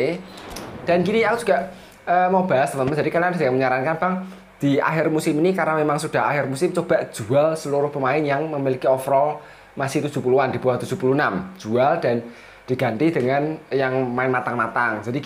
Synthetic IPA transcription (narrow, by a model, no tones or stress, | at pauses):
d̥a̤nkiniakudd͡ʒ̥uɡaʔ | əmab̥aast̪əməmd͡ʒadikanadaməɲaɾankanbaŋ | d̪̥i̤a̰xɪrmusɪminikaɾnamemaŋsud̥a̤ɦaxɪrmusɪmt͡ʃob̥a̤ʔʒ̥ṳalsəluɾupəmaɪnjaŋməmilikiɔfɾɔ | masɪht̪u̥d͡ʒ̥ṳpuluwand̥̪i̤b̥uaht̪u̥dd͡ʒ̥ṳpulunam̥d͡ʒ̥uald̥a̤n | d̥i̤ɡ̥a̤nt̪id̥əŋanjaŋmaɪnmat̪aŋmat̪aŋd͡ʒadi